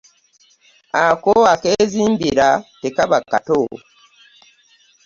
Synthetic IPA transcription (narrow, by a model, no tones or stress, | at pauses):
akoakeːziːmbiɾatekaβakːa̰to